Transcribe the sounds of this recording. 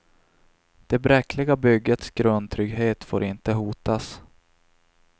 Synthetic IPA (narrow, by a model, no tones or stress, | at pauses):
d̪̥ɛbɾɛkʰlɪɡabʏɡːət̪sɡ̥ɾɵnd̪t̪ʰɾʏɡɦeːt̪fo̰ːɾʔɪnt̪əɦuːt̪as